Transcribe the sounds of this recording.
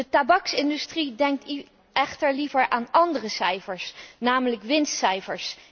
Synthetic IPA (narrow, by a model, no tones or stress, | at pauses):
dətabɑksɪndystridɛŋk̚t | ɛχtəɹlivəɹʔaːnɑndərəsɛjfəɹsnaːmələkʋɪnstsɛjfəɹs